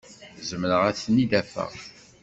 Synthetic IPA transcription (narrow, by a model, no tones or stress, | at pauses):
zəmnəʁæθnid̪æfæ̰